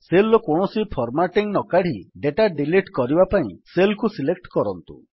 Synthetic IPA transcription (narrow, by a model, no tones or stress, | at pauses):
selːɔkɔɳ̃ɔsipʰɔɾmaʈiŋnɔkaɽ̤iɖeʈaɖiliʈkɔɾibapaĩselkusilek̚ʈkɔɾɔnt̪ṵ